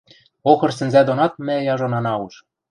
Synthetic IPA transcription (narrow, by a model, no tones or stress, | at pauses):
oxɤ̆rsɘ̆nzæd̪onɑt̪̚mæ̆jɑʒonɑnɑuʃ